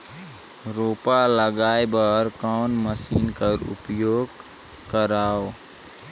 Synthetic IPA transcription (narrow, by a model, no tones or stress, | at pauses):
ɾoːpaləɡaːebəɾkaːnməsiːnkəɾʊ̰pjoːɡ | kəɾaːo